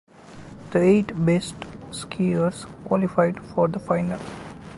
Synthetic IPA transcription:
d̪̥əeːʈbesʈskʰiəɾskwɔlifaɪɖfɔːɾd̪əfaɪnəl

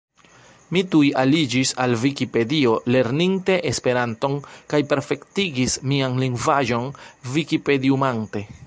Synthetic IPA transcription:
mitujalid͡ʒisalvikipe̞dio̞le̞ɾninte̞ʔespe̞ɾanto̞nkajpe̞ɾfe̞ktiɡismianliŋɡvaʒo̞nvikipe̞diumaŋte̞

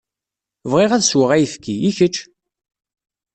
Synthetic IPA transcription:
vʁɪʁæðswəʁæjəfkːiiçət͡ʃː

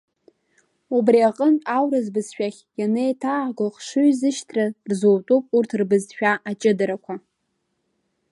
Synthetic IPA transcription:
ubriaqʼənawɾɨzbɨzʃᶣaχʲjanejtʰaʕɡoχʂuɥzɨʃtʰrarzowtʼupʼurtʰrbɨzħᶣaʔat͡ʃʼɪdaɾakʷʰa

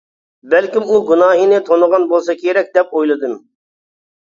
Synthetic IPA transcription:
bɛlkʲimuɡunɑːɦinɪt̪ʰonəʁɑnbolˠsɑkʲʰeɾɛk̚ʲd̪ɛpojlˠɨd̪ɨm

